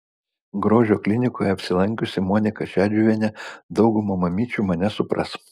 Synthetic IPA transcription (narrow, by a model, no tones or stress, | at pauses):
ɡɾoːʒʲoːklʲɪnʲɪkoːjɛɐpʲsʲɪlˠɐŋʲkʲʊsʲɪmoːnʲɪkɐʃʲæːd͡ʒʲuːʋʲiɛnʲɛd̪ɒʊɡʊmoːmɐmʲiːt͡ʃʲuːmɐnʲɛsʊpɾɐ̰s